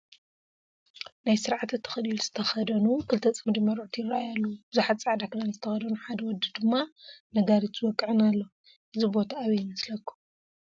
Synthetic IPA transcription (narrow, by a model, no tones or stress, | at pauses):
najsɨɾʕat̪ɨt̪ʰɨ̥xɨlilz̥ɨt̪ʰɐxɐd̪ɐnukʰɨlt̪ʰɐt͡sʼɐmd̪imɐɾuʕt̪ʰijɪrajalːɐwub̥ɨzuħat̪t͡sʼaʕd̪akɨnanzɨt̪ʰɐxɐd̪ɐnuħad̪ɐwɔd̪ːɨd̪ɨmːanɐɡaɾit͡sʼwɔkʼːɨʕɨnalːo | ʔɨzibo̞t̪ʰaːβɐjɪmɐslɐkʰːu̥